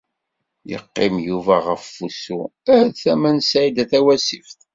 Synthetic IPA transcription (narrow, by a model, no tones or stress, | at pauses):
jə̰qːɪmjuvæʁəfːusuæθæmænsid̪æθæwæsifθ